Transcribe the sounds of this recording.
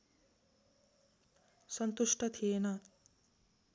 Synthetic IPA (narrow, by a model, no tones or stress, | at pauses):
sʌnt̪uʂʈʌt̪ʰiena